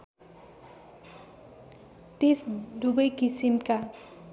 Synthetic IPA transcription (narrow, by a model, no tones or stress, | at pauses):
t̪esd̪ubʌjkisimka